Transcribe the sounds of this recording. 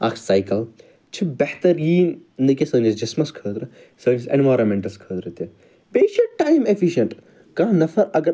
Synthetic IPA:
ɐkʰsajkɐl | t͡ʃʰibɐht̪ɐɾiːnnd̪ɐkʲesəːnd͡ʒisd͡ʒɐsmɐskʰəːt̪ɾɨ | səːnisḛ̃nʋaːɾɐmẽɳʈɐskʰəːd̪ɾɨt̪e | beːʃɐʈ̚ʈːaːjmefʰiʃɐɳʈ | kãːnɐfɐɾɐɡɐɾ

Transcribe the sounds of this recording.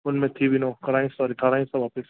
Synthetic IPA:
ʊnmẽt̪ʰibʱinoːkɐɾaːĩsɔːɾiʈ̪ʰaːɾaːĩsɐʋaːpɪs

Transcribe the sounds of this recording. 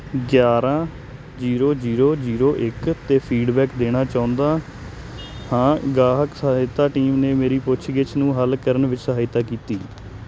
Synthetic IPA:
ɡjaːɾãː | d͡ʒiːɾoːd͡ʒiːɾoːd͡ʒiːɾoːʔɪkt̪eːpʰiːɖbɛːkd̪eːɽ̃aːt͡ʃãːʊ̃nd̪aː | hãːɡaːɦəksəɪt̪aːʈiːmneːmeːɾiːpʊt͡ʃʰʃʰɡɪt͡ʃnũːɦəlkəɾənʋɪt͡ʃsəɦaːɪt̪aːkiːt̪iː

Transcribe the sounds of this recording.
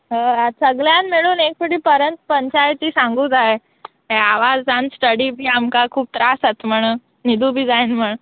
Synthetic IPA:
ɦəasəɡljanmiɭuːnek̚puɽiːpəɾənt̪pəɲt͡ɕajt̪iːsãŋɡuːd͡zaɦe | ɦeaʋad͡zãnsʈəɽiːbʱiːamkakʰuːb̚t̪ɾasət̪m̤əɽ̃ə | nid̪ʱubʱiːd͡zainm̤əɽ̃ə

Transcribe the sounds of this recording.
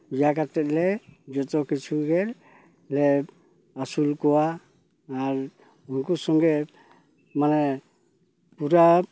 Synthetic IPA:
jakatɛt̪̚lɛd͡ʒɔtɔkit͡ʃʰuɡɛɾ | lɛ | asulkɔwaː | ɾ | unkusɔŋɡɛ | manɛ | puɾa

